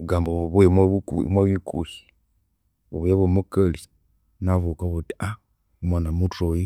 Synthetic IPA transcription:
βuɡaːmboββumaβṵmwaβikṵʃi̥ | βṵβujaβomukali | naβukaβutia | mwanamutoji

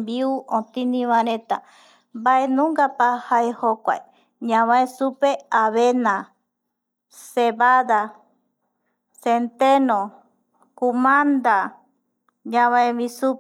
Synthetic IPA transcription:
mbiuʔõt̪inĩβãɾẽt̪a | mbaʔenũŋɡapahaehokʷa̰e | ɲãβãẽsupeaβenã | seβaða | sent̪enõ | kumãnd̪a | ɲãβãẽmĩsu

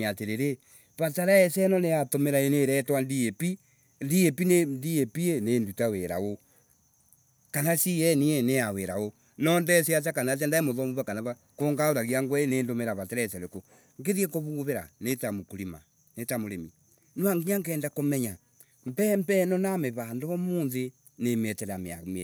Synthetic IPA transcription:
ɲateɾeɾe | βataɾaɛsɛnɔneatomeɾaeneɾɛtwandiepi | ndiepinendiepienendutaweɾa̰o | kanasijɛnieneaweɾao | nɔndɛsiat͡ʃakanat͡ʃ̬andaemoðɔmuβakanaβa | koŋɡaoɾaɣiaŋɡwɛeneːndomeɾaβatɛɾɛsɛɾeko | ŋɡeðiɛkoβuβeɾa̰netamokuɾima̰ | netamoɾemi | naŋɡiɲaŋɡɛːndakomɛɲa | m̩pɛmbɛnɔnameβandoβɔmonðe | nemɛtɛɾamea̰me

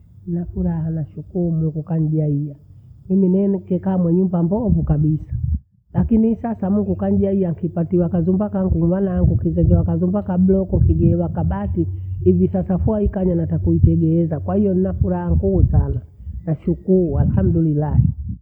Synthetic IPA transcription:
ninafuɾahanaʃukuumuŋɡukaɲʄaijamiminɛnkɛkaːmwɛɲumbambɔvukabisḁ | lakinisasamuŋɡukaɲɟaijaŋkipatiwakazumbakaŋɡuwanaaŋɡukizɛɲd͡ʒɛwakazumbakab̩lɔkɔŋkiɡɛwakaɓatiivisasafuaikaɲanatakuitɛɡɛɛzakwahijɔninafuɾahaŋɡuːsana | naʃukuualham̩dulilaɛ

